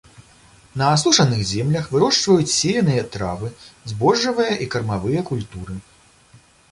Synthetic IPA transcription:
nɐːsuʂɐnɨxzʲɛmlʲɐxvɨɾɔʂt͡ʂvɐjut͡sʲsʲejɐnɨjɐt̪ɾa̰vɨzbɔʐːɐvɨjɐʔikɐrmavɨjɐkulʲt̪uɾɨ

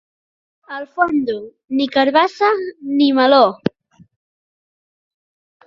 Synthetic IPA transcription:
əlfond̪u | nikaɾβasanimalo

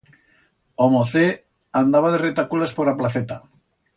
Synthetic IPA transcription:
omoθe | and̪aβaðeret̪akulaspoɾaplaθet̪a

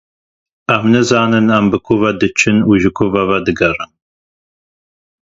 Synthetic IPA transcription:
æmnɨzɑːnɨnæmbɨkʰuvɐd̪ɨt͡ʃʰɨnuʒɨkʰuvɐvɐd̪ɨɡɐrɨn

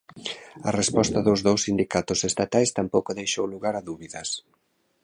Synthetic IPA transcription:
ɐrespɔst̪ɐðozðowsːind̪ikat̪ʊsest̪at̪ajst̪ampowkoðejʃowluɣaɾaðuβiðɐs

